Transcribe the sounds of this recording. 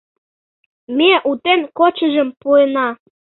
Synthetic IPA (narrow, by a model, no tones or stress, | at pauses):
meʔut̪enkot͡ɕəʒəmpuenɑ